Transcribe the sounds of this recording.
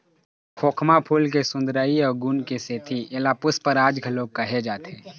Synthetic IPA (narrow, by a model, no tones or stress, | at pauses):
kʰoːkʰmapʰuːlkesʊ̃nd̪ɾaːiɔːɾɡuːnkeseːt̪ʰielaːpʊspəɾaːd͡ʒɡʱəloːɡ̚kɐɦed͡ʒaːt̪eː